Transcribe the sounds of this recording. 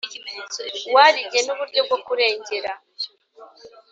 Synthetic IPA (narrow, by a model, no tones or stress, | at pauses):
waɾiɟe̞nuβuɾɟo̞b̚ɡo̞kuɾe̞ːɲɟe̞ɾa